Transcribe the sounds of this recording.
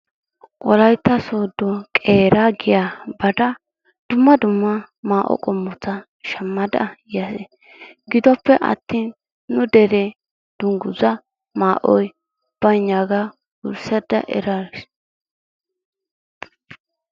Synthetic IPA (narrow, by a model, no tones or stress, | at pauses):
ʔɔlɐjt̪ːɐsoːd̪ːɔkʼeːɾaɡɪjabɐd̪ɐ | d̪̥ʊmːɐd̪ʊmːɐ | maːʔɔ̰kʼɔmːɔt͡sːɐ | ʃɐmːɐd̪ɐjjɐsɛ | ɡɪd̪ɔpːɛʔɐ̰t̪ːiːnː | ʊd̪ɛɾɛ | d̪̥ʊŋɡʊzɐ | maːʔɔj | b̥ɐjɲːaɡa | ɡʊ̰ɾsɐd̪ɐ̰ʔɛ̰ɾaɾɪs